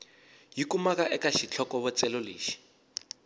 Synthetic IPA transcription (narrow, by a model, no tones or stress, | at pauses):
jikumakaʔɛkaʃit͡ɬʰɔkɔβɔt͡sɛlolḛːʃi̥